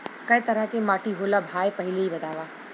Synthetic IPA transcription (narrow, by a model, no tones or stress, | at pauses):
kɐjt̪ɐɾakemaːʈʰiɦoːlabʱaːjpɐɦɪleibɐt̪aːʋaː